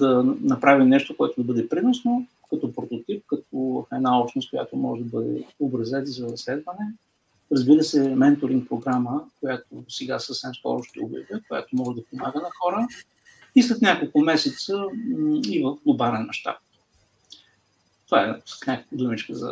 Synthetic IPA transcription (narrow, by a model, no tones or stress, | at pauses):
d̪ɐnɐpɾavimnɛʃt̪okoɛt̪od̪ɐbɤd̪ɛpɾinosno | kɐt̪ɔpɾot̪ot̪ip̚kɐt̪̚ɔvəfɛnaɔpʃnost̪̚koja̰t̪omɔ̰ʒɛd̪ɐbɤd̪ɛ̰obɾɐzɛt̪izɐɾɾɐslɛd̪vənɛ | ɾɐzbiɾəsɛmɛnt̪oɾĩŋk̚pɾoɡɾaməkojat̪osɛɡasəfsɛmskɔ̰ɾʊʃt̪ɛ̰o̰bjə̰vəkoja̰t̪omɔʒɛd̪ɐpomaɡənɐxɔɾə | ist̪lət̪nʲakolˠkʊmɛsɛt̪sə | ivəfnobaɾɛnmɐ̰ʃt̪a̰p̚ | t̪ovaɛ̥nʲakd̪umit͡ʃkəzə̰